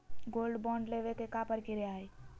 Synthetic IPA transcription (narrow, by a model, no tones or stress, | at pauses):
ɡolɖbɔ̃ɳɖleʋekekapəɾkiɾeaj